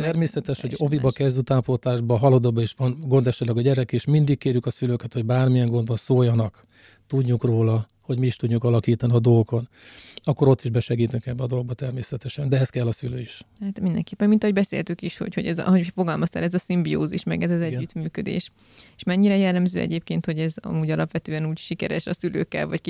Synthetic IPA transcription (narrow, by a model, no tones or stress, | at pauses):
t̪ɛrmeːsɛt̪ɛʃhoɟovibɒkɛzd̪yt̪aːmpot̪aːʒbɒɦɒlod̪oːbɒiʃʋɒnɡo̞nd̪ɛʃɛt̪lɛɡɒɟɛɾɛkeʃmind̪ikkːeːrjykɒsyløːkɛt̪ho̞ɟbaːrmijɛŋɡo̞nd̪onsoːjːɒnɒk | t̪uɟɲukroːlɒ | ho̞ɟmiiʃt̪uɟːukɒlɒkiːt̪ɒniɒd̪o̞lko̞n | ɒkːoɾo̞t̪ːiʒbɛʃɛɡiːt̪yŋkɛbːɛɒd̪o̞lɡ̚bɒt̪ɛrmeːsɛt̪ɛʃɛnd̪ɛɛɛskɛlːɒsyløːiʃhat̪mind̪ɛŋkeːpːɛmːint̪ɒɦo̞ɟbɛsḛːlt̪ykiʃho̞̰cho̞̰ɟɛzɦofo̞ɡɒlmɒst̪a̰ːlɛzɒsimbio̰ːziʃmɛ̰ɡɛzɛzɛɟːyt̪myːkød̪ḛːʃ | eʃmɛɲːiɾɛjɛlːɛmzøːʔɛ̰ɟeːp̚keːnt̪ho̞ɟɛzɒ̰muːɟɒlɒpʋɛt̪øːɛnuːcʃikɛ̰ɾɛ̰ʃɒsylø̰ːkːɛ̰lvɒck